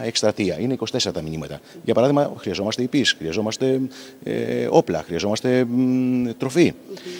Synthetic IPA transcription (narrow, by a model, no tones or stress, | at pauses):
ekst̪ɾɐt̪iɐine̞iko̞si̥t̪e̞seɾɐt̪ɐmiɲimɐt̪ɐʝɐpɐɾɐðiɣmɐxɾiɐzo̞mɐst̪eipisxɾiɐzo̞mɐst̪e̞̰ | o̞plɐ̰xɾiɐzo̞mɐst̪e̞ | t̪ɾo̞fi